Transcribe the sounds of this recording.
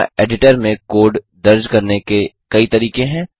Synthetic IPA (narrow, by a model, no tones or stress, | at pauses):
ʔeːɖɪʈəɾmẽkoːɾɖ | d̪ɐɾd͡ʒkɐɾnekekɐit̪ɐɾiːqẽɦɛ̃ː